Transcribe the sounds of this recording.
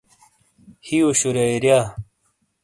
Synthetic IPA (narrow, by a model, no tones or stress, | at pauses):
hioɕuɾjaiɾja